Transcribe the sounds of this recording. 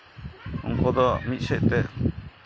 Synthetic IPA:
ṵŋkɔd̪ɔmit̪̚sɛc̚t̪ɛʔ

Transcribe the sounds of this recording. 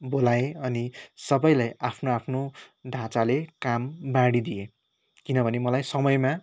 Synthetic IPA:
bolaeʌnisʌbʌjlajapʰnoapʰnoɖʱãt͡salekambaɽid̪ije | kinʌbʱʌnemʌlajsʌmʌjma

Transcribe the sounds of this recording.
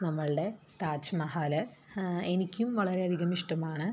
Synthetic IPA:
nɐmːɐɭɨɽe̞ | t̪aːt͡ɕɐmɐɦaːlɐenikʲːumʋɐɭɐɾe̞ɐd̪ʱiɣɐmiʂʈɐmaːɳɨ

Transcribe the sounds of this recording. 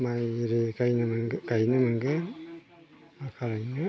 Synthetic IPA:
majɾeɡajnɯmŋɡajnɯmɯŋɡɯ | akʰaɾajnɯ

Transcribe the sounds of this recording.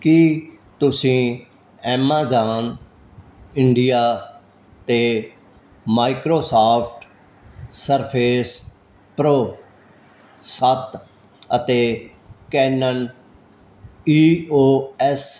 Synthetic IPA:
ki | t̪ʊsĩː | ɛːmaːzaːn | ɪɳɖijaː | t̪eː | maːikɾoːsaːpʰʈ | səɾpʰeːs | pɾoː | sət̪ | ət̪eː | kɛːnən | iːoːɛs

